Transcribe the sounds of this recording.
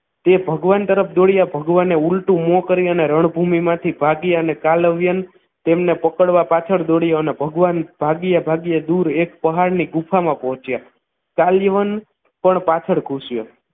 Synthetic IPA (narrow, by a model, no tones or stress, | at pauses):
t̪ebʱəɡʋant̪əɾəpʰd̪oɽjabʱəɡʋaneulʈũmõkəɾiəneɾəɳ̃bʱumimãt̪ʰibʱaɡjaənekaləʋjən | t̪emnepəkəɽʋapat͡ʃʰəɽd̪oɽjoənebʱəɡʋanb̥ʱaɡjabʱaɡjad̪uɾekpəɦaɽniɡupʰamãpəɦɔ̃t͡ʃja | kaljʋən | pəɳpat͡ʃʰəɽkʰuʃjo